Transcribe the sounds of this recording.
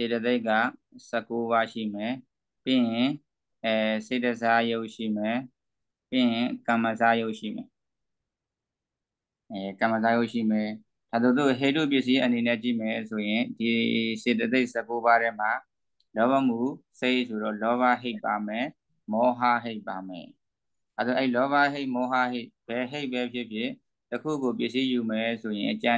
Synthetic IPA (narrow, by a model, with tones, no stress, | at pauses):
se˨tə˨t̪̬e˦ɪʔkːa̰˦˨ | sə˨kːo˦βa˦ʃḭ˦˨mɛ˨ | pɪ̃˦˨ɪ̃˨ | se˨tə˨sa˦jo˦ʊʔʃḭ˦˨mɛ˨ | pɪ̃˦˨ɪ̃˨kã˨mə˨sa˦jo˦ʊʔʃḭ˦˨mɛ˨ | kã˨mə˨z̬a˦jo˦ʊʔʃḭ˦˨mɛ˨ | d̥a˨d̪o˦˨t̪o˦˨ɦe˦˨tṵ˦˨pjɪ˦˨s̬i˦ʔə˨ni˨nɛ˦˨t͡ɕḭ˦˨mɛ˨so˨jɪ̃˨di˨se˨t̬ə˨t̪e˦ɪʔsə˦˨ko˦ba˦ɾɛ˦m̥a˨ | lɔ˦βa˦mu˦˨se˦ɪʔsʰo˨ɾɔ̰˦˨lɔ˦βa˦ɦe˦ɪpːa˨mɛ˨ | mɔ˦ɦa˦ɦe˦ɪpːa˨mɛ̰˨ | d̥a˨d̪o˨ʔɛ˦i˨lɔ˦βa˦ɦe˦ɪʔmɔ˦ɦa˦ɦe˦ɪb̥ɛ˨ɦe˦ɪʔpːɛ˦pʰjɪ˦ʔpʰjɪ̰̃˦˨ | təkʰṵ˦˨ɡo˨p̬jɪ˦˨ʔsi˦ju˨mɛ˨sʰo˨jɪ̃˨ʔət͡ɕã˦